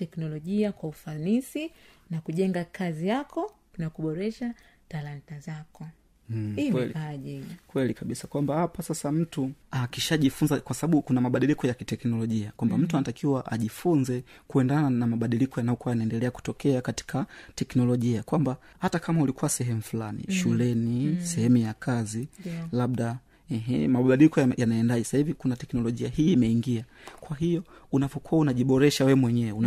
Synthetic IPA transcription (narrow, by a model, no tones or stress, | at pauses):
tɛknɔlɔʄiakwaufanisinakuʄɛŋɡakʰazijakɔ | nakuɓɔɾɛʃa | talantazakɔ | hiwɛliaʄikwɛlikaɓisakwambahapasasam̩tuakiʃaʄifunzakwasaɓaɓukunamaɓaɗilikɔjakitɛknɔlɔʄiakwambam̩tuanatakiwaʔaʄifunzɛkuɛndananamaɓaɗilikɔjanajɔkuwajanaɛndɛlɛaku̥tɔkɛakati̥kʰatɛknɔlɔʄiakwambahatakamaulikuwasɛɦɛmufulanḭʃulɛnisɛhɛmujakazilaɓɗa | ɛɦɛmaɓɓaɗilikɔjjanaɛndaʄɛsahivikunatɛknɔlɔʄiahiːmɛiŋɡiakwaɦijɔunapɔkuwaunaʄiɓɔɾɛʃawɛmwɛɲɛwɛun